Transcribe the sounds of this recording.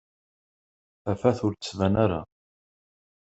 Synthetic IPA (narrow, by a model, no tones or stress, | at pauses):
æfæθʊɾt͡səsvænaɾa̰